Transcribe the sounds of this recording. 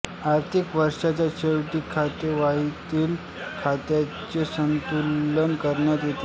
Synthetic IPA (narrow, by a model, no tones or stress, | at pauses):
aɾt̪ʰikʋəɾʂat͡ɕjaɕewʈiːkʰːat̪eʋait̪iːl | kʰat̪ja | t͡ɕesənt̪ulːənkəɾɳjat̪jet̪e